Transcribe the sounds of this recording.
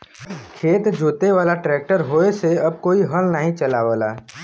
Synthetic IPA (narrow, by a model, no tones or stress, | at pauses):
kʰeːt̪d͡ʒʱoːt̪eʋaːlaʈɾɛːk̚ʈəɾɦoːeseɐb̚koːiɦəlnaɦĩt͡ʃɐlaːʋəlaː